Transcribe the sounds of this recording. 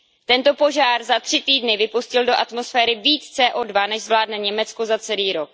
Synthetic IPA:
t̪ɛnt̪o̞po̞ʒaːrzat̪r̥ɪt̪iːdnɪvɪpuscɪldo̞ʔat̪mo̞sfɛːɾɪviːt͡st͡sɛːʔoːdvanɛʒzvlaːdnɛɲɛmɛt͡skozat͡sɛliːɾok̚

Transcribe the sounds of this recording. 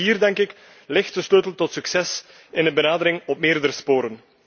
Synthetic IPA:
iːrdɛŋkɪk | lɪxtəsløːtəl̩ˠtɔtsyksɛs | ɪnənbənaːdəɾɪŋɔpmɪːrdəɾəspoːɾən

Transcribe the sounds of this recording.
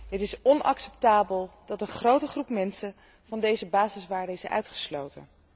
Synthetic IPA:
ɦətɪsɔnɑ̰ksɛptaːbəlˠd̥ɑtənχrowtəχrupmɛnsən | v̥ɑndejzəbaːzɪsʋaːɹdəɪsœ̰ɥtχə̥slo̰wtə̰

